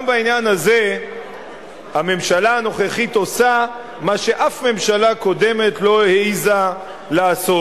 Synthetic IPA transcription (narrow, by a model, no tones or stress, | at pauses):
mbainjanhaze | hame̞mʃalaːno̞χeχito̞sa | maʃe̞ʔafme̞mʃalako̞d̪e̞me̞t̪lo̞eiza | laːso